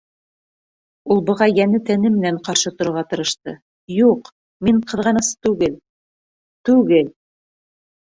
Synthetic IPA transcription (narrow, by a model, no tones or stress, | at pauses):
ulˠbɤ̆ʁɑjænɘt̪ænɘmɘ̆næɴqɑɾʃɤt̪ŏɾŏʁɑt̪ɤ̆ɾɤ̆ʃt̪ɤ | juq | miɴqɤ̆ðʁɑnɤ̆sɤ̥t̪ʉɡɘl | t̪ʉɡɘl